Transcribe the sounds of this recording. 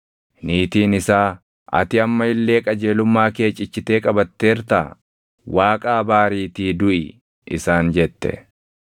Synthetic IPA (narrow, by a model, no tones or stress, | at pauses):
niːt̪iːnɪsaː | ɐ̰t̪ɪɐmːɐɪlːe̞ːkʼɐd͡ʒe̞ːlʊmːaːke̞ːt͡ʃʼɪt͡ʃːɪt̪e̞ːkʼɐbɐt̪ːe̞ːɾt̪aː | wʔaːkʼaːbaːɾiːt̪iːd̪ʊʔɪ | ʔɪsaːnd͡ʒɛt̪ːɛ̰